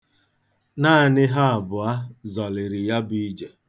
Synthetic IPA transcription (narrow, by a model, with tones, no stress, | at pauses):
naː˦˨nɪ˦ɦa˦a˨bʊ˨a˦zɔ˨lɪ˨ɾɪ˨ja˦bi˦i˦d͡ʒe˨